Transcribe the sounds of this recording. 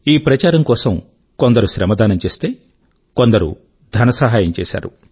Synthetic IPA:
iːpɾɐt͡ʃaːɾɐmkɔːsɐm | kond̪ɐɾuʃɾɐmɐd̪aːnɐmt͡ʃeːst̪eː | kond̪ɐɾṵ | d̪ʱɐnɐsɐɦaːjɐmt͡ʃeːsa̰ːɾṵ

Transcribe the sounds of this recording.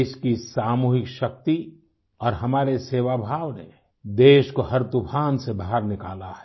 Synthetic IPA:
ʃkisaːmuːɦɪkʃɐk̚t̪i | ɔːɾɦɐmaːɾeseːʋaːbʱaːʋnḛ | d̪eːʃkohɐɾt̪upʰaːnsebaːɦəɾnɪkaːlaɦɛ̥

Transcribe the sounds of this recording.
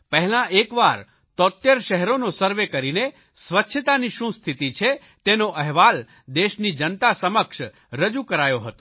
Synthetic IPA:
pəɦɛlãʔekʋaɾ | t̪ɔt̪jəɾʃəɦɛɾonosəɾʋekəɾine | sʋətːʃʰət̪aniʃũst̪ʰit̪it͡ʃʰe | t̪enoʔɛɦʋal | d̪eʃnid͡ʒənt̪asəməkʃ | ɾəd͡ʒukəɾajoɦət̪o

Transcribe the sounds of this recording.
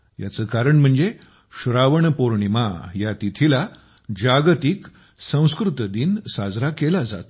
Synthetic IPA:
ja̰t͡səːkaɾəɳm̤əɳd͡ze | ɕuɾaʋəɳpoɾɳimajat̪it̪ʰila | d͡ʑaɡt̪ik | sə̃w̃skɾut̪əd̪insad͡zɾakelad͡za̰t̪

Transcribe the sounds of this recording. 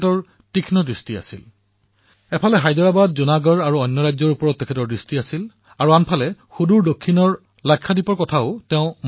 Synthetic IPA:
tɔɹ | tikʰnɔdɹistia̰sḭl | ɛpʰalɛɦajdɔɹabadzunaɡɔɹaɹuɔjnːɔɹajzɔɹupɔɹɔtːɛkʰɛtɔɹdɹistiasil | aɹuanpʰalɛxuduɹdokʰːinɔɹ | lajkʰːadipɔɹkɔtʰaʊtɛʊ̃m

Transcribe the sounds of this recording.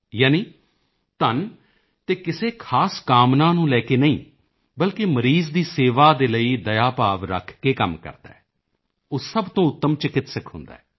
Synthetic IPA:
jaːniː | t̪ən | t̪eːkɪseːkʰaːskaːmnãːnũːlɛːkeːnəĩː | bəlkeməɾiːzd̪iːseːʋaːd̪eːləiːd̪əjaːpaːʋɾə̰kʰkeːkəmkə̰ɾd̪a̰ːɛː | ʊsːəbt̪õːʊt̪ːəmt͡ʃɪkɪt̪səkʰɦʊnd̪a̰ːɛː

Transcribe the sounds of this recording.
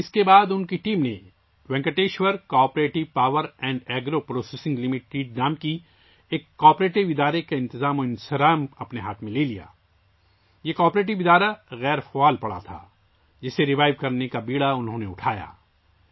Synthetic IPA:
ɪskebaːd̪ʊnkiʈiːmne | ʋɛ̃ŋkəʈeːʃʋəɾkɔːpɾeːʈɪʋpaːʋəɾɛ̃ːɳɖɛːɡɾopɾoːsesɪ̃ŋɡlɪmɪʈiːɖ̚naːmki | eːkːɔːpɾeːʈɪʋɪd̪aːɾekeɪ̃nt̪ɪzaːmoɪ̃nsɐɾaːmɐpneɦaːt̪ʰmẽleːlija̰ː | jekaːpɾeːʈ̬ɪʋɪd̪aːɾaɣɛːɾfɐaːlpɐɽa̰t̪ʰa̰ː | d͡ʒɪseɾɪʋaːɪʋkɐɾnekabiːɭaʊnɦõneʊʈʰaːja̰ː

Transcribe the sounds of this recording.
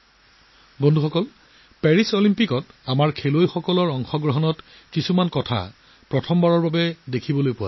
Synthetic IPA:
bɔndʱuxɔkɔl | pɛɹisolimpikɔtamaɹkʰelojxɔkɔlɔɹɔŋxɔɡɹɔɦɔnɔt | kisumankɔtʰa̰ | pɹɔtʰɔmbaɹɔɹbabɛdekʰibɔlojpʊwa̰

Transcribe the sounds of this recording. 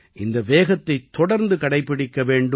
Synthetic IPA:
ʔɪnd̪ɐʋeːɣɐt̪ːɐɪt̪ːɔɽɐɾnd̪ɯkɐɽɐɪpːɪɽɪkːɐʋeːɳɖɯ

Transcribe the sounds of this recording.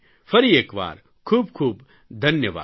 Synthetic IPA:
fʰɐɾieːkʋa̰ːɾ | kʰuːb̚kʰuːb | d̪ʱɐnjəʋa̰ː

